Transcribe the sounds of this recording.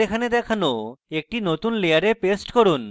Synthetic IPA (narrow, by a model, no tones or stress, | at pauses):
ekʰaned̪ɛkʰanoek̚ʈinot̪unlejaɾepesʈkoɾun